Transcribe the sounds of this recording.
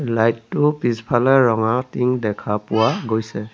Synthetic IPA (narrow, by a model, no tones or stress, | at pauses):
lajtːʊpispʰalɛɹɔŋatiŋdɛkʰapʊwaɡojsɛ